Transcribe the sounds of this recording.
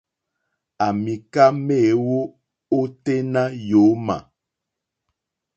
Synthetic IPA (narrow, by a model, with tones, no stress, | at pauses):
a˨mi˨ka˦me˦˨wo˦ | o˦te˦na˦jo˨˦ma̰˨